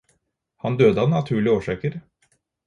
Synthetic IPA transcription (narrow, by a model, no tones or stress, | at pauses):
hɑnd̪øːd̪əɑnɑt̪ʰʉːɭɪoːʂɑːkəɾ